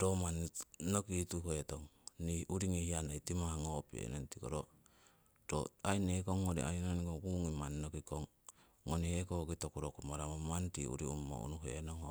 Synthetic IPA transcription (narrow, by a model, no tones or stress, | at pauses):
tomannokitukoetoŋniuɾiŋihianaitimahaŋopḛnentiko̰ɾo | doajnekoŋːoɾḭa̰jnonikokuŋimanːokikoŋː | onihekoɡitokuɾokumaɾamomantiṵɾiṵmːo̰ṵnuɦḛnoŋho